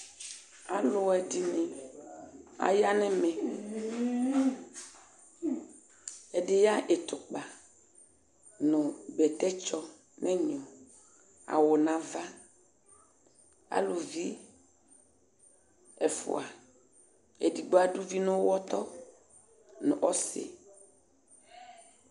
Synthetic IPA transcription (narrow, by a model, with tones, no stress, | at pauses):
a˨lo˨wɛ˨di˨nẽ˨ | a̰˨ja˦nɛ̃˦mẽ˨ | e˨ɖe˨ja˦ʔe˨t̪o˨k͡pa˨ | nõ˨bɛ˨t̪ɛ˦t͡ʃɔ˦ | nɛ̃˦ɲɔ̃˨ | a̰˨wo˨nã˨va˦ | a̰˨lu˨vi˦ | ɛ˨fṵ˨a˨ | e˨di˨ɡ͡bo˦a˨ɖu˦vi˦nõ˦wɔ˦t̪ɔ˦ | nũ˨ʔɔ˦sḛ˨